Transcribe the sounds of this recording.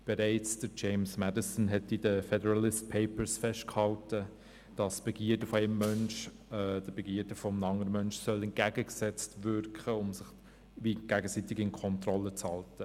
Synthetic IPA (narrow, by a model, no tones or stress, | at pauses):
b̥ɛɾæɪt͡sd̥əɾt͡ʃeɪmsmædɪsənɦɛtidəfɛdəɾɑlɪst̚pʰeɪpəɾsfɛʃtkhɑltə | d̥ɑsb̥ɛɡ̥iːədəfɔɛɪmːœnʃ | d̥əb̥ɛɡiːəɾd̥əfɔmnɑŋəɾəmœnʃsœlɛnt̚ɡ̥æɡəɡsɛt͡stʋʏrkχəʊmsɪχ | ʋiɡ̥æɡəsitɪɡɪnkʰɔntrɔlːət͡shɑltə